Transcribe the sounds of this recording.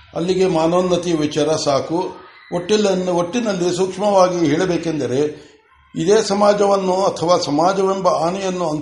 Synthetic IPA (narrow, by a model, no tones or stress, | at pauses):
ɐ̰lːiɡe̞maːnoːnːɐt̪ijɐʋit͡ʃaːɾɐsaːku | oʈːilːɐnːoʈːinɐlːisukʂmɐʋaːɡiɦɛːɭɐbeːkend̪ɐɾe̞ | id̪eːsɐmaːd͡ʒɐʋɐnːuɐt̪ʰɐʋaːsɐmaːd͡ʒɐʋembɐaːnɛjɐnːuɐn